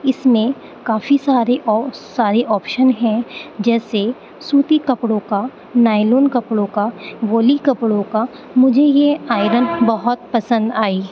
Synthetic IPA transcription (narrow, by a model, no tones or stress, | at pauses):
ɪsmẽ | kaːfisaːɾeʔɔɾsaːɾeʔɔːpʃənɦɛ̃d͡ʒɛːse | suːt̪ikɐpɽõka | naːɪloːnkɐpɽõkaʋoːlikɐpɽõka | mʊd͡ʒʱejeaːɪɾənbɐɦʊt̪̚pɐsə̃nd̪aːiː